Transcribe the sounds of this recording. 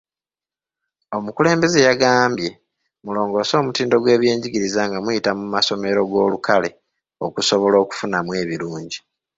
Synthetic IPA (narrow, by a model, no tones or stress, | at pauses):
o̞mukule̞ːmbe̞ze̞jaɡaːmbje̞ | mulo̞ːŋɡo̞ːso̞ːmutiːndo̞ɡwe̞ːβje̞ːɲɟiɡiɾizaŋɡamwujitamumaso̞me̞ɾo̞ɡo̞ːlukale̞ | o̞kusoβo̞lo̞ːku̥funamwe̞ːβiɾuːɲɟi